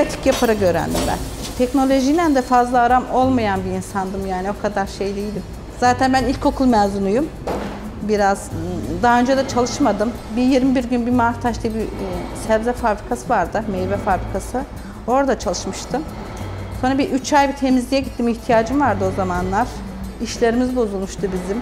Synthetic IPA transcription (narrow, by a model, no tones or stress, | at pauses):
at̪ʰi̥cjapʰaɾaɟø̞ɾæ̰nd̪ḭmbæ̰nt̪ʰɛcno̞lʲo̞ʒinænd̪ɛfazlˠaːɾamo̞lˠmajanbiːnsand̪ɯmjaːnio̞kʰad̪aɾʃe̞jd̪eijd̪im | z̥aːt̪ʰænbænilʲcʰo̞kʰulˠmɛzunujum | biɾazd̪aɦaø̞nd͡ʒɛd̪at͡ʃʰalˠɯʃmad̪ɯm | bijiɾmibiɾɟynbimaːɾt̪ʰaʃt̪ˠɯbisɛvzɛfabɾikʰasɯvaɾd̪ɯmejvɛfabɾikʰasɯ | o̞ɾd̪at͡ʃʰalˠɯʃmɯʃt̪ʰɯm | so̞nɾabiʔyt͡ʃʰajbit̪ʰe̞mizlʲijɛɟit̪ʰːimiçt̪ʰijaːd͡ʒɯmvaɾd̪ɯo̞zamanlˠaɾ̥ | iʃlʲe̞ɾimizbo̞zulˠmuʃt̪ʰubizim